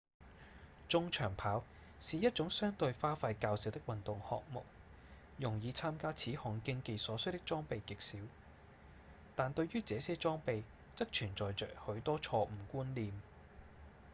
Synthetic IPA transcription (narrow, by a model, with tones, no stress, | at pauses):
t͡ʃʊ˥ŋt͡ʃʰœː˨˩ŋpʰaː˨˥w | siː˨jɐ˥t̚t͡ʃʊ˨˥ŋsœː˥ŋt̪ɵ˧ɥfaː˥faː˧jkaː˧wsɪ˨wt̪ɪ˥k̚wɐ˨nt̪ʊ˨ŋhɔ̰ː˨k̚mʊ̰˨k̚ | jʊ˨˩ŋjiː˨˧t͡sʰaː˥mkaː˥t͡sʰiː˨˥hɔː˨˩ŋkɪ˧ŋke˧jsɔː˨˥sɵ˥t̪ɪ˥k̚t͡ʃɔː˥ŋpe˨˧jkɪ˨k̚siː˨˥w | t̪aː˨nt̪ɵ˧ɥɥyː˥t͡sɛː˨˧˦sɛː˥t͡ʃɔː˥ŋpe˧j | t͡sɐ˥k̚t͡ʃʰyː˨˩nt͡sɔː˨jt͡ʃœ̰ː˨k̚hɵ˨˥ɥt̪ɔː˥t͡sʰɔː˧m̩˨˩kuː˥nliː˨m